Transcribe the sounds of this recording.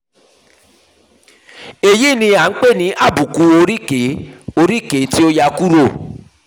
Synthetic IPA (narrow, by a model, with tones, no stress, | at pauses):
e˨ji˦˨nĩ˧a˨n̩˦k͡pe˦˨nĩ˨˦ʔa˦˨bu˨ku˦o˧ɾi˦ke˨˦o˧ɾi˦˨ke˨˦ti˦o˦ja˧ku˦ɾo˦˨